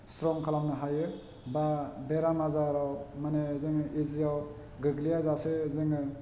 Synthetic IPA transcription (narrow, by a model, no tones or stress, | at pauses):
sɾɔŋkʰalamnɯɦajɯ | babeɾamazaɾawmanezɯŋɯizijaw | ɡɯɡlijazasezɯŋɯ